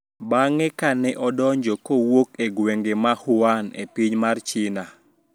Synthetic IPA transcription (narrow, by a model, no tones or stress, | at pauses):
baŋɛkanɛʔɔdɔɲd͡ʒɔkowokeɡweŋɡemahʊanḛpiɲmart͡ʃɪna